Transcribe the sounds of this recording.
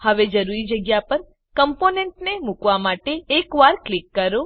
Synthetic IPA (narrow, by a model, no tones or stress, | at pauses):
həʋed͡ʒəɾuɾid͡ʒəɡjapəɾ | kəmponeɳʈnemukʋamaʈeːkʋaɾklikːəɾo